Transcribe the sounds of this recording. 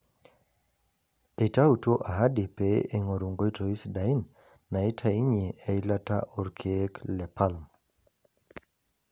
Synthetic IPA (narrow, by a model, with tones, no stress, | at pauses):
e˨ta˦u˨two˦ʔa˨ɦa˦di˨pe˦e˨ŋo˨ɾu˨ŋɡo˦i˦to˨i˦sda˨i˦nː | a˨i˦tʰa˦i˦ɲe˨e˦i˦la˦ta̰˦ʔo˨ɾkʰe˦klɛ˨pʰa˦lm